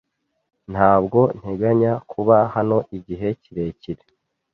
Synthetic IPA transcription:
n̥haːbɡo̞n̥he̞ɡaɲakʰuβahano̞ʔiɟiɦe̞ciɾe̞ːciɾe

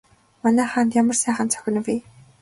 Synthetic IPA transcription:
manæːχaːnt̪jamə̆rsæːχə̆nt͡sʰœ̥xʲɪ̆n̆wiː

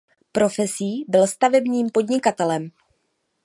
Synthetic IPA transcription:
pɾo̞fɛsiːbɪlst̪avɛbɲiːmpo̞dɲɪkat̪ɛlɛm

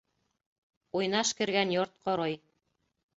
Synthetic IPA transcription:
ujnɑʃkɘ̆ɾɡænjoɾt̪̚qoɾɑj

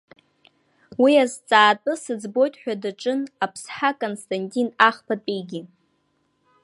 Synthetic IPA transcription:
wiazt͡sʼaːtʼɨsɨd͡zbo̞jtʼħʷᶣadaʈ͡ʂʼɨnapʰsħakʼonstʰʼantʼinaχpʰatʼijɡʲi

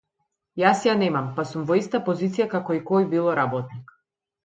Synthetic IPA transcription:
jasjanɛmampasumvɔist̪apɔzit̪sijakakɔikɔjbilˠɔɾabɔt̪nik

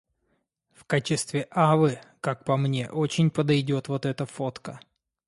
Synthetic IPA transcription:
fkat͡ɕɪst̪vʲɪʔavɨkak̚pɐmnʲe̞̰ʔo̞t͡ɕɪnʲpəd̪ɐjdʲo̞t̪vo̞t̪ɛt̪əfo̞t̪kə

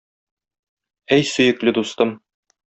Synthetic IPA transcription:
æjsɵ̆jɘ̆klɘd̪ust̪ɤm

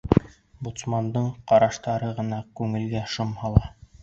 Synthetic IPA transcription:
but̪smɑnd̪ɤɴqɑɾɑʃt̪ɑɾɤʁɤ̆nɑkʉŋɘ̆lɡæʃɤmhɑlˠɑ

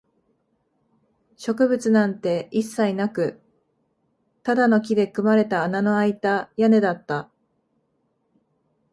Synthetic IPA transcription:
ɕo̞kɯ̟bɯ̟t͡sɨnãnt̪e̞ʔisːainakɯ̟ | t̪ad̪ano̞k̬ʲid̪e̞kɯ̟maɾe̞t̪aːnano̞ait̪ajane̞d̪at̪ːa

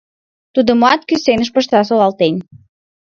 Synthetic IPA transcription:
t̪ud̪əmoɑt̪̚kysenəʃ̬pəʃt̪ɑsolɑlt̪enʲ

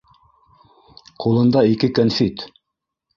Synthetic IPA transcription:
qulˠɤ̆nd̪ɑikɘkonfit̪

